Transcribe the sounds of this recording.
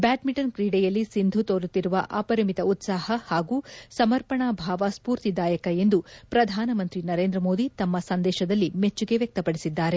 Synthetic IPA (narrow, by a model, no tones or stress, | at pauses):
baːʈmiʈɐnkɾiːɽɛjɐlːisind̪ʱut̪oːɾut̪ːiɾuʋɐʔaːpɐɾɐmit̪ɐut̪saːhɐhaːɡuːsɐmɐɾpɐɳabʱaːʋɐspuːɾt̪id̪aːjɐkɐe̞nd̪upɾɐd̪ʱaːnɐmɐnt̪ɾinɐɾe̞ːnd̪ɾɐmo̞ːd̪it̪ɐmːɐsɐnd̪ɛːʃɐd̪ɐlːimet͡ʃːuɡe̞ʋjɐk̚t̪ɐpɐɽisid̪ːaːɾe